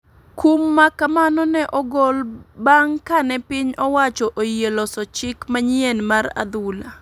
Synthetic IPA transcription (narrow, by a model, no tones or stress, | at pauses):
kumːakamanɔnɛʔɔɡɔlbaŋkanɛpɪɲɔwat͡ʃɔʔojelɔsɔt͡ʃɪkmaɲɪenmaɾa̰d̪ula